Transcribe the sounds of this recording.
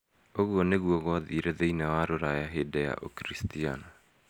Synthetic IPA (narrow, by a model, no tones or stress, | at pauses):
oɣuɔneɣwɔɣɔðiːɾɛðeinawaɾoɾajaɦedɛja̰ʔo̰kɾistiana